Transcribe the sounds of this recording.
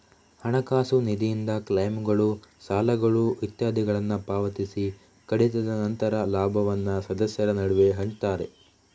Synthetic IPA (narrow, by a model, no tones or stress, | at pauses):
hɐɳɐkaːsunid̪ijind̪ɐklɐjmɡɐɭusaːlɐɡɐɭuʋit̪jaːd̪ʱiɡɐɭɐnːɐpaːʋɐt̪isi | kɐɽit̪ɐd̪ɐnɐnt̪ɐɾɐlaːbʱɐʋɐnːɐsɐd̪ɐsjɐɾɐnɐɽuʋe̞ɦɐɳt͡ʃt̪aːɾe̞